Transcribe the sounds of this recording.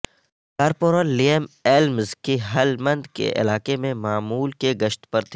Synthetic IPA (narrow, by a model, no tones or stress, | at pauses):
kaːɾpoːɾəlːiəmeːlmzkeɦɐlmɐ̃nd̪kḛʔɪ̰laːkemẽmaːmuːlkeɡɐʃt̪pɐɾt̪ʰ